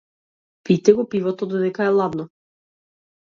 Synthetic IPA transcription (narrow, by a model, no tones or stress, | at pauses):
pit̪ɛɡɔpivɔt̪ɔd̪ɔd̪ɛkaɛlˠad̪nɔ